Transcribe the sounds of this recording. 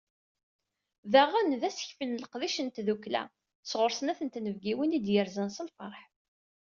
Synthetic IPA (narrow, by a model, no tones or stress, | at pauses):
ðæʁænðæsə̥çfənləqðiʃənt̪ðuklæ̰ | sʁʊɾsənæθənt̪nəvɡiwinid̪jəɾzənsəlfɑɾˤħ